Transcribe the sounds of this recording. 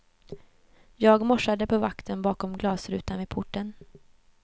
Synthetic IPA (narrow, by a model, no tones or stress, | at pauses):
jɑːɡmɔʂad̪əpʰɔvakt̪ʰənbɑːkɔmɡlɑːsɾʉ̟ːt̪anvɪpʰʊʈːən